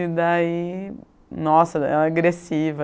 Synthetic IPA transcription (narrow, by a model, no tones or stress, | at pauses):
id̪ai | nɔsɐɛ̰lɐaɡɾesivɐ